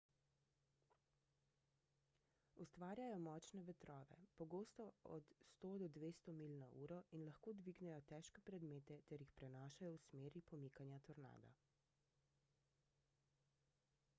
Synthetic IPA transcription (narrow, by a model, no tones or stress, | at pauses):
ust̪ʋaːɾjajɔmɔt͡ʃnɛʋɛt̪ɾɔːʋɛ̰pɔɡoːst̪ɔɔ̰t̪st̪oːd̪ɔd̪ʋeːst̪ɔmilnaʔṵːɾɔinlaxkoːd̪ʋiːɡnɛjɔt̪ɛːʃkɛpɾɛd̪meːt̪ɛt̪ɛɾjixpɾɛnaːʃajɔwsmeːɾipɔmiːkanjat̪ɔɾna̰ːd̪a̰